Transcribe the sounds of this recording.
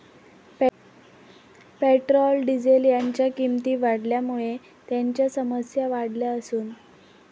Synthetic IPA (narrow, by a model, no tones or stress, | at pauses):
p | peʈɾɔlɖid͡ʑeljaɲt͡ɕjakimt̪iːʋaɽljamuɭe | t̪jaɲt͡ɕjasəməsjaʋaɽljaəsuːn